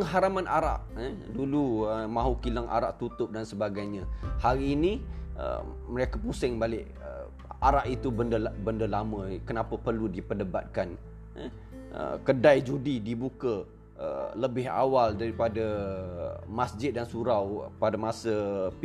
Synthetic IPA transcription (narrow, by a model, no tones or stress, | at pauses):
ɦaɾamãnʔaɾa̰ʔəduluəmãɦukilaŋʔa̰ɾaʔt̪ut̪ʊp̚dansəbaɡajɲə̃haɾiːniə̰məɾekapusɛŋbalɪʔ | ə | aɾaʔit̪ubəndəbəndəlamə̃kənapəpərludipədəba̰t̪̚kan̰ | ə̰kədajd͡ʒudidibukə | ə̰ləbɪɦa̰waldaɾipadə | masd͡ʒɪt̪̚dansuɾawpadamasəp